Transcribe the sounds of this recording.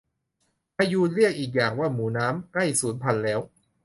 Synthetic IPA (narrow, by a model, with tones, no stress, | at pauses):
pa˧juː˧t̪̚ɾi˥˩ək̚ʔiː˨˩k̚jaː˨˩ŋwaː˥˩muː˩˦naː˦˥mkla˥˩jsuː˩˦npʰa˧nlɛː˦˥w